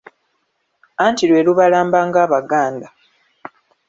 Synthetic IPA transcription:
aːntilwe̞ːluβalaːmbaːŋɡaːβaɡaːnda

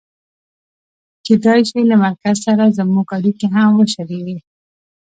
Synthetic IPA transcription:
ked̪ɑjʃilamaɾkazsaɾazamuɡaɽikeɦamwəʃaɾewi

